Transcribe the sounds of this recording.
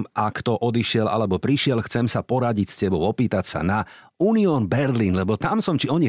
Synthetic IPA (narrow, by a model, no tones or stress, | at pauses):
ʔakt̪ɔʔɔd̪iʃɪɛla̰lɛbɔpɾiʃɪɛlxt͡sɛmsapɔɾaɟicscɛbɔʊɔpiːt̪acsa̰na | uːniɔːnbɛɾliːnlɛbɔt̪amsɔmt͡ʃiɔɲi